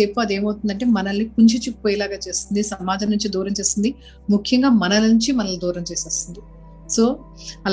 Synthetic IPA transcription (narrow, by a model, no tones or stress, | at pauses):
eːpːoɐd̪e̞ːmɐwt̪und̪ɐɳʈe̞ːmɐnɐlnipuɲt͡ʃit͡ʃipoːjɛlaːɡaːt͡ʃe̞ːst̪ind̪isɐmaːd͡ʒɐmnuɲt͡ʃid̪uːɾɐmt͡ʃe̞ːst̪ind̪i | mukʰjɐŋɡaːmɐnɐlɐnuɲt͡ʃimɐnɐlɐd̪uːɾɐmt͡ʃeːseːst̪und̪i | so̞ː | ɐl